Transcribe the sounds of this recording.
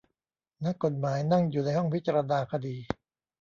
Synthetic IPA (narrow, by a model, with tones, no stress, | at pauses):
na˦˥kːo˨˩t̪̚maː˩˦jna˥˩ŋjuː˨˩na˧jhɔ˥˩ŋpʰi˦˥t̪̚t͡ɕa˧ɾa˧naː˧kʰa˧diː˧